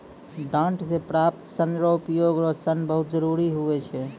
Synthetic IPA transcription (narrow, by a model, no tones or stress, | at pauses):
ɖãɳʈsepɾap̚t̪sənɾoupjoɡɾɔsənbəɦut̪̚d͡ʒəɾuɾiɦuɛt͡ʃʰɛ